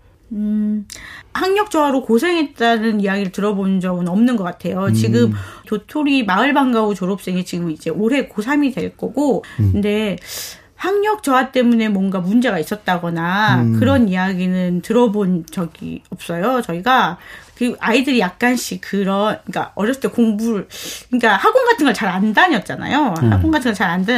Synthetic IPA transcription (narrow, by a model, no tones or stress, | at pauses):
ɯ | haŋɲʌk̚t͡ɕ͈ʌwaɾokosʰe̞ŋɦe̞t̚t͈anɯnijaɡiɾɯɭtɯɾʌbonɯnd͡ʑʌmɯnʌmnɯnɡʌk͈atʰe̞jot͡ɕiɡɯmtotʰoɾimaɯɭbaŋɡaut͡ɕoɾop̚s͈e̞ŋit͡ɕiɡɯmid͡ʑe̞ʔoɾe̞kosʰamidwe̞ɭk͈ʌɡokɯnde̞ | haŋɲʌk̚t͡ɕʌwat͈e̞mune̞mwʌŋɡamund͡ʑe̞ɡais͈ʌt̚t͈aɡʌnakɯɾʌnijaɡinɯntɯɾʌbont͡ɕʌɡḭʌp̚s͈ʌjot͡ɕʌiɡakɯʔaidɯɾijak̚k͈anɕ͈ʰikɯɾʌnɯɲik͈a̰ʌɾjʌs͈ɯ̥tːekoŋbuɾɭkɯɲik͈ahaɡoŋɡatʰɯŋɡʌt͡ɕaɾandaɲʌt̚t͡ɕ͈ana̰joha̰ɡoŋɡatʰɯŋɡʌɭt͡ɕaɾanda